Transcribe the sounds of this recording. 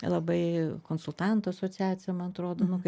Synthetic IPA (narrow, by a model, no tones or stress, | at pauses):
lˠɐbɐɪkoːnsʊlˠt̪ɑnt̪ʊɐsot͡sʲæːt͡sʲɪjɛmɐnɐt̪ɾoːd̪oːnʊkɐ